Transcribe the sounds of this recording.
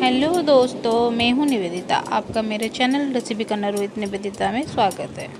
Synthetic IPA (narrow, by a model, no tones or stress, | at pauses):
ɦɛlod̪oːst̪omɛ̃ːɦũnɪʋeːd̪ɪt̪a̰ʔaːp̚kameːɾet͡ʃɛːnəlɾɛsibʱikɐnɐɾuɪt̪nɪʋeːd̪ɪt̪amẽswaːɡət̪ɦɛː